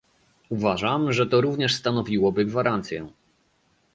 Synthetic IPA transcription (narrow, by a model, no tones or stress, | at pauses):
uvaʐamʐɛt̪ɔɾuvɲɛʂst̪anɔvʲiwɔbɘɡvaɾant̪sʲjɛ